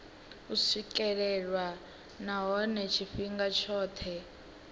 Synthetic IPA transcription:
usikɛɺɛɺwa | naɦɔnɛt͡ʃʰifiŋɡat͡ʃʰɔːt̪ʰɛ

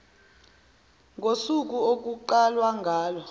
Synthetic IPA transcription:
ŋʱosuk̬uok̬uǃalwaŋɡʱaːlɔ

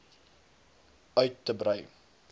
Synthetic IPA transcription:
œɥtːəbɾœj

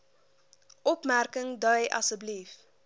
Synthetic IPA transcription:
ʔɔpmærkəŋdœjɐ̰səblif

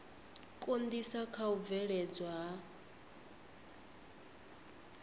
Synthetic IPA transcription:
kʼond̪isakʰaub̪vɛɺɛd͡zwaɦa

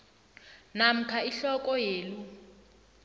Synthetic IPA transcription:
nam̩kʰaiɬɔkʼɔjeːlu

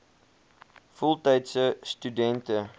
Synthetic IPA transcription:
fɔlˠtɛjtsəstydɛntə

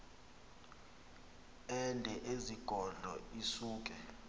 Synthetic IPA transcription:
ɛndʱɛʔeziɡ̥ʱɔɮʱɔ̰isuːk̬ʼɛ

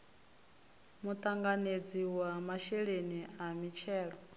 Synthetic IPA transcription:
mut̪ʼaŋɡaned͡ziwamaʃɛɺeniamit͡ʃʰɛːɺɔ

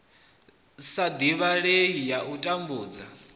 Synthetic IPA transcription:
sad̪iβaɺejijaʔutʼambuːd͡za

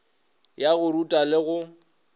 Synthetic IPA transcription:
jaɣʊɾutʼalɪɣʊ

